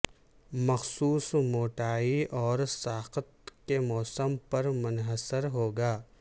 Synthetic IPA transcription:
mɐxsuːsmoːʈaːiɔːɾsaːqət̪̚kemɔːsəmpɐɾmʊnɦəsəɾɦoːɡaː

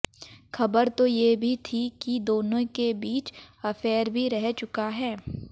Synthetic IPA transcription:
xɐbəɾt̪ojebʱit̪ʰikid̪oːnõkebiːt͡ʃɐfɛːɾbʱiɾɛɦt͡ʃʊkaɦɛː

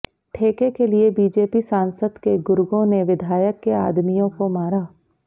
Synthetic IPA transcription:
ʈʰeːkekeliebiːd͡ʒeːpisãːnsəd̪keɡʊɾʊɡõneʋɪd̪ʱaːjəkːeaːd̪mijõkomaːɾaː

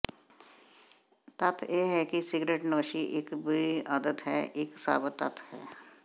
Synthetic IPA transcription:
t̪ɐt̪ʰjeːɦɛkisɪɡɾeːʈnoːʃiʔɪkbiiəd̪ət̪ɦɛ̰ːʔɪksa̰ːbət̪ːət̪ʰɦɛ̰ː

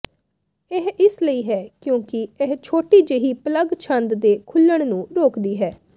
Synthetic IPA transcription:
eɦɪsləiːɦɛːkjõːkɪeɦt͡ʃʰoːʈiːd͡ʒeːɦiːpələɡt͡ʃʰə̃nd̪d̪eːkʰʊlːəɽ̃nũːɾoːkd̪iːɦɛː

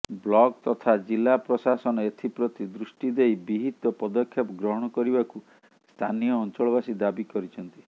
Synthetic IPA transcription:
blɔɡt̪ɔt̪ʰad͡ʒilapɾɔsasɔnɔet̪ʰipɾɔt̪id̪ɾusʈid̪ejbiɦit̪ɔpɔd̪ɔkʰːjɔpɔɡɾɔɦɔɽ̃ɔkɔɾibaku | st̪ʰanijɔːnt͡ʃɔɭɔbasid̪abikɔɾit͡ʃʰɔnt̪i̥

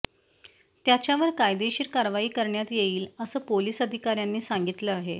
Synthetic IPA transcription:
t̪jat͡ɕjaʋəɾkajd̪eɕiːɾkaɾʋaiːkəɾɳjat̪jeiːləsəːpoliːsəd̪ʱikaɾjanːiːsaŋɡit̪ləaɦe

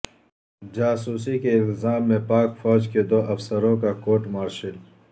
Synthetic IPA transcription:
d͡ʒaːsuːsikeɪlt̪ɪzaːmːẽpaːkfɔːd͡ʒked̪oːʔɐfsəɾõkakoːʈmaːɾʃil

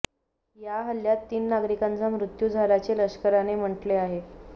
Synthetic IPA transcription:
jaɦəljat̪ːiːnːaɡɾikant͡samɾut̪jud͡zʱaɾat͡ɕeləɕkəɾanem̤əʈleaɦe

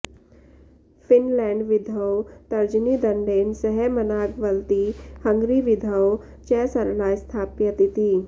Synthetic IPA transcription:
finlɛ̃ɳɖʋid̪ʱəwt̪ɐɾd͡ʒnid̪ɐɳɖeːnsəɦɛmənaːɡʋəlt̪ihəŋɡɾiʋid̪ʱəw | t͡ɕɛːsɐɾlaːjst̪ʰaːpjət̪it̪iː

